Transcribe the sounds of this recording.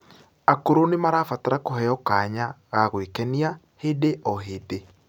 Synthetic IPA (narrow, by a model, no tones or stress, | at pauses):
akoɾonemaɾaːfataɾakoɦɛɔkaɲaɣaɣwekɛnia | heðeʔɔɦeðe